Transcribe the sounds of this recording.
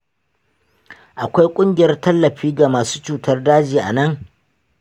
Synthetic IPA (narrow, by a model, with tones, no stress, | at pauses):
ʔa˨kʷa˦jkʷʼʊ˦ŋɡʲɪ˨jɐ˦rtɐ˦lːɐ˨ɸiː˦ɡa˨maː˨su̥ː˦t͡ʃuː˨tɐ˦rdaː˦d͡ʒiː˨ʔa̰˨nɐ˦ŋ